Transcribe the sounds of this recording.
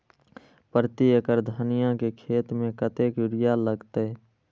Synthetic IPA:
pɾt̪ijəkəɾd̪ʱənɪjãkekʰeːt̪mẽkət̪eːkʊɾɪjaləɡt̪e

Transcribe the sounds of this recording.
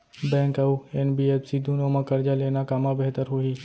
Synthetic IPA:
bɛ̃ːŋkɐuenbiːeːpsid̪ʱũnoːmãkəɾd͡ʒaleːnakaːmabeɦt̪əɾɦoiː

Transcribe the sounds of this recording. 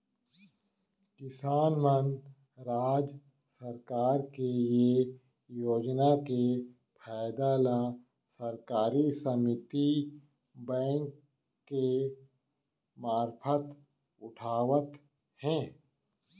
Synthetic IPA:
kɪsaːnmən | ɾaːd͡ʒ | səɾkaːɾkeje | joːd͡ʒnake | pʰɛːɪd̪aːla | səɾkaːɾisəmɪt̪i | bɛ̃ːŋkː | e | maːɾpʰət̪ | ʊʈʰaːʋət̪ | hɛ̃ː

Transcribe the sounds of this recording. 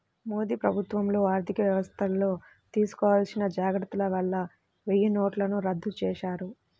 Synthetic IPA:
mo̞ːd̪iːpɾɐbʱut̪ʋɐmlo̞ːaːɾt̪ʰikɐʋjɐʋɐst̪ʰɐlːo̞ː | t̪iːsu̥kɔːʋaːlsinɐd͡ʒaːɡɾɐt̪ːulɐʋɐɭːɐ | ʋejɐno̞ːʈlɐnuɾɐd̪ːut͡ʃɛːʃaːɾu

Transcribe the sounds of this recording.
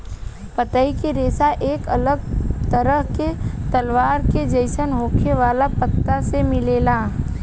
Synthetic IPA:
pət̪aːikeɾeːsaʔeːkɐləɡt̪əɾəɦket̪ɐlʋaːɾked͡ʒəɪʃənɦõːkʰeʋaːlapət̪ːasemɪleːlaː

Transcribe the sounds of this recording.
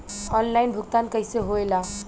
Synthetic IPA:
ɔnlajnbʱukt̪ankəɪseɦoela

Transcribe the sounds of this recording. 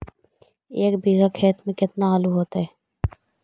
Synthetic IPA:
eːkbiːɣakʰeːt̪mẽkɪt̪naaːluɦoːt̪aɦɛː

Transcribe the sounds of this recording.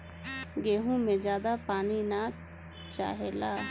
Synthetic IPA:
ɡeːɦũmẽd͡ʒjaːd̪apaːnina | t͡ʃa̰ːɦelaː

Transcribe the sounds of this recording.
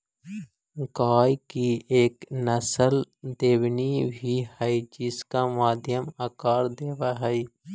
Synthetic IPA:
ɡaːjkieːknəsəld̪eːwnibʱihɛid͡ʒɪskamaːd̪ʱjəmakaːɾd̪eːʋaɦɛi

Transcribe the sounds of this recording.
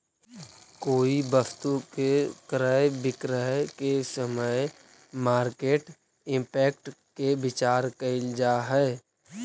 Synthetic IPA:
koːibəst̪ukekɾaːebɪkɾaekesəməe | maːɾkeːʈ | ɪ̃mpɛːk̚ʈkebɪt͡ʃaːɾkəɪld͡ʒaːɦɛː

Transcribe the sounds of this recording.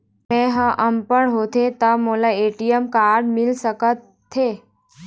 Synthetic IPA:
mɛ̃ɦãʔəmpəɳɦot̪ʰet̪amolaeʈijəmkaɾɖmilsəkət̪ʰːe

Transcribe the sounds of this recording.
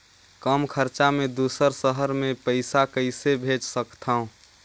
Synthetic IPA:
kəmkʰəɾt͡ʃamẽd̪usəɾsəɦəɾmẽpəɪsakəɪsebʱed͡ʒsəkt̪ʰaũ

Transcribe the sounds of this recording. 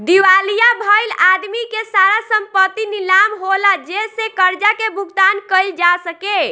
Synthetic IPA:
d̪iʋalijabʱəjlad̪mikesaɾasəmpət̪ːinilamɦolad͡ʒesekəɾd͡ʒakebʱuɡt̪ankəɪld͡ʒasəke

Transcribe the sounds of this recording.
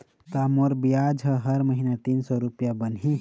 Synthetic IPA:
t̪amoɾbijad͡ʒʱɦəɦəɾməɦinat̪insɔɾupjabənɦi

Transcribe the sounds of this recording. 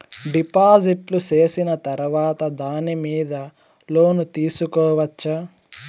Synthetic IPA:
ɖipaːd͡ʒiʈlut͡ʃe̞ːsinɐt̪ɐɾʋaːt̪ɐd̪aːnimiːd̪ɐ | lo̞ːnut̪iːsukɔːʋɐt͡ʃːɐ

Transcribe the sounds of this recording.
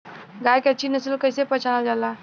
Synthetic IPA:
ɡajkət͡ʃʰinəsəlkəjsepət͡ʃʰanald͡ʒala

